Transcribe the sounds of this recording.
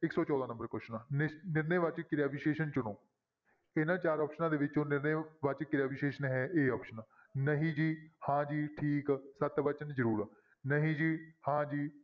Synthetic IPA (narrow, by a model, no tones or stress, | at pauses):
ɪksɔːt͡ʃɔːd̪ãːnəmbəɾkʊʃnãːnɪnɪɾneːʋət͡ʃkɪɾaːʋiːʃeːʃənt͡ʃʊɽõː | ɪnaːt͡ʃaːɾɔːpʃənãːd̪eːʋɪt͡ʃõːnɪɾneːʋət͡ʃkɪɾaːʋiʃeːʃənɦɛːʔeːɔːpʃəna | nəɦĩːd͡ʒiːhãːd͡ʒiːʈʰiːksət̪bət͡ʃənzəɾuːɾ | nəɦĩːd͡ʒiːhãːd͡ʒiː